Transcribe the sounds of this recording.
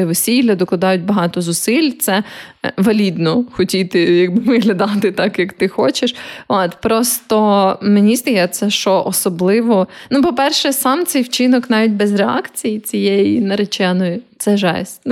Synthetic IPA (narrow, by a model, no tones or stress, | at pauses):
eʋɔsʲilʲːɐd̪ɔklˠɐd̪ɑjʊt̚ʲbɐɦɑt̪ɔzʊsɪlʲt̪sɛʋɐlʲid̪nɔxɔtʲit̪ɪjɐɡ̚bɪmɪɦlʲɐd̪ɑt̪ɪt̪ɑkjɐkt̪ɪxɔt͡ʃeʃɔt̪pɾɔst̪ɔmenʲist̪ɐjɛt̪sɛʃt͡ʃɔʔɔsɔblˠɪʋɔnupɔpɛrʃɛsɑmt̪sɛjwt͡ʃɪnɔknɑʋʲit̚ʲbɛzreɑ̰kt͡sʲijit͡sʲijɛjinɐɾet͡ʃɛnɔjit̪sɛʒɛ̰sʲ